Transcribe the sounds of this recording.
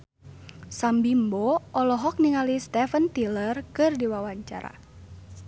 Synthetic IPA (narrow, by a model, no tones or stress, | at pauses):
sambimbɔʔɔlɔɦɔk̚niŋalist̪ɛfənt̪ilərkɨrdiwawaɲt͡ʃa̰ɾa̰